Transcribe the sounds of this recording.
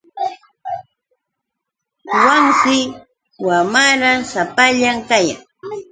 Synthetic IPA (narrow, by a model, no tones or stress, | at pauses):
waŋsɪ | wamaɾasapaʎaŋkaja̰ŋ